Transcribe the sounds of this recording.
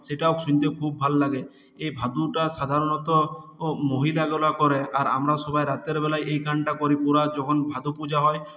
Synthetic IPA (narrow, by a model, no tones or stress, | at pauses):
seʈawksuɲt̪ekʰub̚ːʱallaɡe | ejbʱad̪uʈaʃad̪ʱaɾɔnɔt̪ɔmoɦilaɡɔlakɔɾeaɾa̰mɾasɔbʱajɾat̪eɾbɛlajejkʰaɳʈakɔɾipuɾad͡ʒɔkʰɔnbʱad̪upud͡ʒaɦɔe